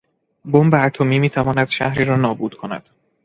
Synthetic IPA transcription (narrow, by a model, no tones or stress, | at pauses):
bombeæt̪ʰo̞miːmiːt̪ʰævɒːnæd̪̥ʃæ̰hɾiːɾɒːnɒːbuːd̪̥kʰonæ̰d̪̥